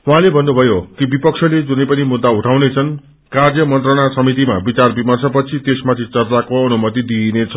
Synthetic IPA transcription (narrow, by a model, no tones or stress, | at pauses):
uɦãlebʱʌnːubʱʌjokibipʌksʰʌled͡zunʌjpʌnimud̪ːauʈʰawnet͡sʰʌn | karjʌmʌnt̪rʌɽ̃asʌmit̪̬ima̰bit͡sarbimʌrsʌpʌt͡sʰit̪esmat̪ʰit͡sʌrt͡sakoʌnumʌt̪̬id̪inet͡sʰʌ